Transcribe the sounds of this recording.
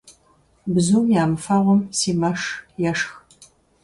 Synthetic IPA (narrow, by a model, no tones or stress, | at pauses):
bzuːmjaːmɨfɐʁʷɔmsiːmɐʂjɛʂx